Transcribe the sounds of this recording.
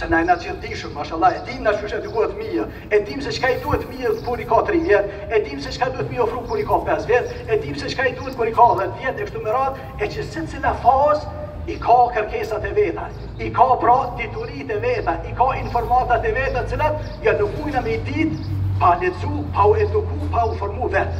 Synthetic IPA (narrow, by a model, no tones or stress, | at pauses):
sɛnaɛnat͡ʃəd̪iʃəmbaʃalˠaɛd̪imnat͡ʃuʃɛd̪ikuhɛt̪mi | ɛd̪imsɛʃkaid̪uhɛt̪miðkuɾikat̪ɾivjɛt̪ | ɛd̪imsɛt͡ʃkad̪uhɛt̪miɔfɾukuɾikapɛsvjɛt̪ɛd̪imsɛʃkaid̪uɛt̪̚kuɾikɑðɛt̪vjɛt̪ɛkʃt̪umɛɾat̪ | ɛt͡ʃəsit͡silafɑz | ikʰakəɾkɛsat̪ɛvɛt̪a̰ | ikapɾɔt̪it̪uɾit̪ɛvɛt̪aʔikɑinfɔɾmat̪at̪ɛvɛt̪at̪ə̥t͡silat̪ | jalukujnamɛjd̪it̪palɛt͡supauɛd̪ukupaufɔɾmuvɛt̪